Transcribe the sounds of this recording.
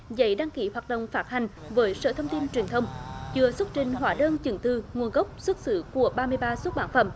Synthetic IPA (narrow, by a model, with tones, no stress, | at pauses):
zə̰˧˦jɗa˧ŋki˨˦hwaː˨˩t̚ɗə̰˧˨wŋ͡mfaː˦˥t̚ha˨˩jŋ̟ | vəː˨˦jsə̰ː˧˨˩t̪ʰə˧wŋ͡mt̪i˧nt͡ɕwi˨˩ənt̪ʰə˧wŋ͡mt͡ɕɨ˨˧˩əsu˦˥t̚t͡ɕï˨˩ŋ̟ɦwaː˨˩ɗəː˧nt͡ɕɨ˨˧˩ŋt̪ɨ˧˩ŋu˨˩ənɣə˦˥wk͡p̚swə˦˥t̚sɨ̰˧˩ku˧˩əɓaː˧mɨ˧əjɓaː˧swt̚ɓaː˧˩˦nfə̰˧˩m